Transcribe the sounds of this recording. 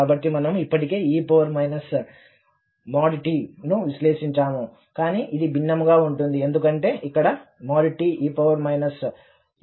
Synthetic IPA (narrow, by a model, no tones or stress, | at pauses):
aːbɐʈːimɐnɐmuipːɐʈike̞ːiːpɐʋɐɾmɐjnɐs | maːɽiʈiːnuʋisleːʂiɲt͡ʃaːmu | kaːniːʔid̪ibʱinːɐmɡaːuɳʈund̪ie̞nd̪ukɐɳʈe̞ːʔikːɐɽɐmaːɽiʈiːʔiːpɐʋɐɾmɐjnɐs